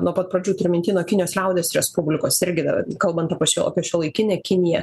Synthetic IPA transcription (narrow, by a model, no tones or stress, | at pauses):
nuɔpɐt̪̚pɾɐd͡ʒʲuːt̪ʲɪɾʲɪmʲɪnʲt̪ʲɪːnʲoːkʲɪnʲɪjoːslʲɛʊd̪ʲeːsɾʲɛspʊbʲlʲɪkoːsɪɾʲɡʲɪd̪ɐ̰kɐlˠbɐnt̪ɐpʲiɛʃʲoɐpʲiɛʃʲoːlˠɐɪkʲɪnʲɛːkʲɪnʲɪjɛ